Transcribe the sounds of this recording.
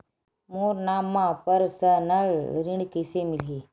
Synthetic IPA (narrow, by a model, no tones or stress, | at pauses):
moɾnamːãpəɾsənəɭɾiɳkesemile